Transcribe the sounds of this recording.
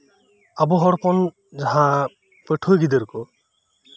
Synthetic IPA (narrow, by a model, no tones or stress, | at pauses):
abuɦɔɽpɔn | d͡ʒaɦã | peʈʰujɡid̪eɾkɔ